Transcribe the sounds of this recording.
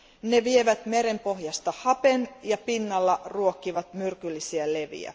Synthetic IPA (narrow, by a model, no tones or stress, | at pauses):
ne̞ʋieʋæt̪me̞ɾe̞mpo̞hjɑst̪ɑhɑpe̞njɑpinːɑlːɑruokːiʋɑt̪myrkylːisiæle̞ʋḭæ̰